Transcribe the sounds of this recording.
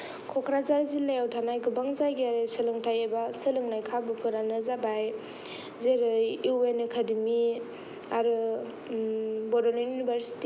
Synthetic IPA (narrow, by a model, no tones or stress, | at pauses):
kʰɔkʰɾazaɾzilːajawtʰanajɡɯbaŋzajɡiaɾesɯlɯŋtʰajebasɯlɯŋnajkʰabɯpʰɯɾanɯzabaj | zeɾɯjuenekʰadimi | aɾɯ | bɔdɔnuunibʱaɾsi̥ti